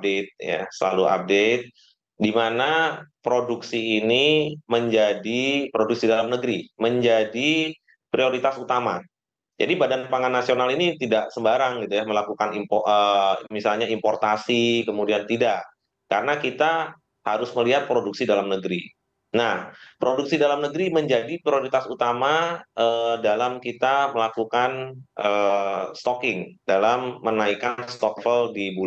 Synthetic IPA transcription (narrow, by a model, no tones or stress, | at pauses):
adet̪̚ja̰səla̰lua̰p̚det̪̚ | dimanapɾoduksiːniməɲd͡ʒadipɾoduk̚sidalamnəɡɾiməɲd͡ʒadi | pɾioɾit̪asut̪ama | d͡ʒa̰dibadanpaŋanːasionalinit̪idaʔsəmbaɾaŋɡit̪ujaməlakukanimpʔəmisalɲaimport̪asikəmudiant̪idaʔ | kaɾənakit̪a | haɾʊsməliɦat̪̚pɾoduk̚sidalamnəɡɾi | nahpɾoduk̚sidalamnəɡɾiməɲd͡ʒadipɾioɾit̪asut̪amaʔədalamkit̪aməlakukanʔəst̪ɔkɪŋd̥alamːənaikannst̪ɔk̚fəldibu